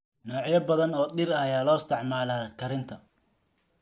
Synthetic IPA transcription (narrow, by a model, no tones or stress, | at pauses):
nɔːʕjɐbɐðɐnɔːɗɪɾɐɐjaːlɔːɪst̪ʰɛʕmaːlaːkʰɐɾɪnt̪ʰɐ